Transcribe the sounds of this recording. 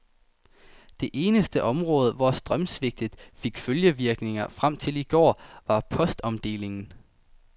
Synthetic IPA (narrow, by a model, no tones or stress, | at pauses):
d̥e̝ʔe̝ːnəsd̥əʔɒ̽mʁɔ̽ːð̞̩ˠʋɒsd̥ʁɶmsʋe̝ɡ̥̚d̥ið̥̩ˠfe̝ɡ̥føljəʋiɐɡ̥ne̝ŋɐfʁam̰t͡sʰe̝liɡ̥ɒ̰ːʋɑ̈pʰɒ̽sd̥ɒ̽md̥e̝̰ːle̝ŋn̩